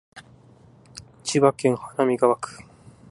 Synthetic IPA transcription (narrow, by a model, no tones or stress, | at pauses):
t͡ɕiβakeŋhḁnamʲiɡaβakɯ̥